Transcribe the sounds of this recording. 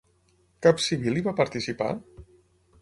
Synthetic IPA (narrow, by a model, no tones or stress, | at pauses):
kapsiβ̞iliβapaɾt̪isipa̰